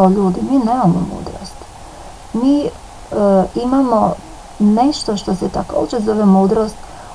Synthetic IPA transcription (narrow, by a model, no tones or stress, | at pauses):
oʎuːd̪imiːnemamomṵːd̪ɾo̰st̪ | miː | imamo | neʃt̪o̞ʃt̪oset̪ako̰ːd͡ʒezoʋemuːd̪ɾoːst̪